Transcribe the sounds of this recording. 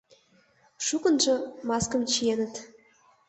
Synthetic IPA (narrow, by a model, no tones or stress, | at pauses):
ʃukɤ̆nʒɤ̆mɑskɤ̆mt͡ɕijenə̆t̪